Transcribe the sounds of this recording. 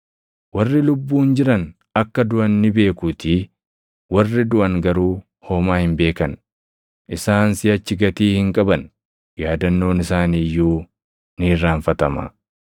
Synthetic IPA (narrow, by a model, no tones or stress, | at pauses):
wɐrːɪlʊbːuːnd͡ʒɪɾɐn | ɐkːɐd̪ʊʔɐnːɪbe̞ːkuːt̪i | wɐrːɪd̪ʊʔɐŋɡɐɾuː | hoːmaːhɪmbe̞ːkɐn | ʔɪsaːnsɪɐt͡ʃːɪɡɐt̪iːhɪŋkʼɐbɐn | jaːd̪ɐnːo̞ːnɪsaːniːjːuː | niːrːaːɱfɐt̪ɐmɐ̰